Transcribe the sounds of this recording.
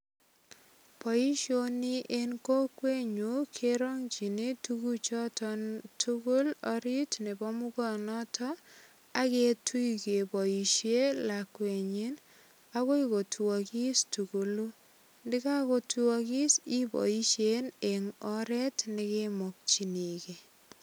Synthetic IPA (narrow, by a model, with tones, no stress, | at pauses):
pɔ˨i˦ʃo˦ni˦ʔe˦nko˦kwe˦ɲu˨˦kʰe˦ɾɔ˦ŋt͡ʃi˨ni˦tu˦ɡu˦t͡ʃɔ˦tɔ˦ntʰu˦ku˦lɔ˦ɾi˦tne˨bɔ˦mu˦kɔ˦˨nɔ˦tʰɔ˦ | a˦ke˦tʰu˦ike˨bɔ˨i˨ʃe˦la˨kwe˨ɲi˦n | a˦ko˦iko˨tʰu˨ɔ˨ki˦stu˨ku˨lu˦ | ndɪ˦ka˦ko˦tu˨ɔ˧k̬i˦si˦bɔ̰˨i˦ʃjene˨ŋɔ˦ɾɛ˦tnɪ˦kemɔ˨k̚t͡ʃi˨ni˨ke˨